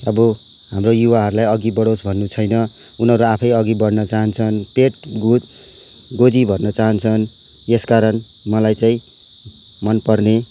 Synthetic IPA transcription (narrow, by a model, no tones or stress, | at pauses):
ʌbʌ | ɦamrojuwaɦʌɾulajʌɡibʌɽʌwsbʱʌnːut͡sʰʌjnʌ | unɦʌɾuapʰʌjʌɡibʌɽnʌt͡saɦʌnt͡sʰʌnpeʈɡud̪ | ɡod͡zibʱʌnːʌt͡saɦʌnt͡sʰʌn | eskaɾʌn | mʌlajt͡saĩ | mʌnpʌrne